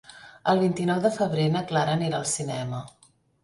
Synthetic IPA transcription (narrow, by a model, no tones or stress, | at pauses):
əlˠβ̞int̪inɔwðəfəβ̞ɾenəklaɾəneɾalˠsinɛmə